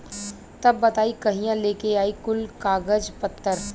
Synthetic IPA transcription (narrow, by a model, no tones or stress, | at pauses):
t̪ɐbːɐt̪aːikɐɦĩjãleːkeaːikʊlkaːɡəd͡ʒpɐt̪ːəɾ